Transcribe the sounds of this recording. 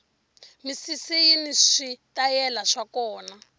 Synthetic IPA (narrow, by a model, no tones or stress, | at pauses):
misisijiniʂitajɛlaʂakɔːna